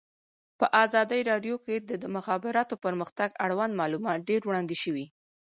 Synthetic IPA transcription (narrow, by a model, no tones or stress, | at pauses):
pəʔɑzɑd̪əjɾɑɖjoked̪əd̪əmʊxɑbɪɾɑt̪opəɾməxt̪aɡaɽwanmɑlumɑt̪̚ɖeɾwɽɑnd̪iʃəwi